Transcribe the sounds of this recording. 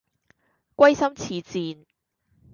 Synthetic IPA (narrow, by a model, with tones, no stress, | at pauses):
kʷɐ˥jsɐ˥mt͡sʰiː˨˧t͡siː˨˧n